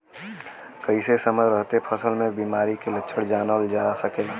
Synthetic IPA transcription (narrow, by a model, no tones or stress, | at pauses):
kəɪsesəməɾəɦt̪epʰəsəlmẽbiːmaːɾikelətːʃʰəɽd͡ʒaːnəld͡ʒaːsəkeːlaː